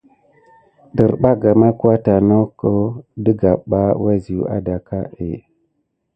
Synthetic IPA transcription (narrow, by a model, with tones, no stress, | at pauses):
də˨ɾɓa˦ɡa˨ma˦ku˦a˦ta˨no˦ko˦də˦ɡa˨ɓa˦wa˦zi˨jṵ˨˦ʔa̰˦da˨ka˦ʔḛ˨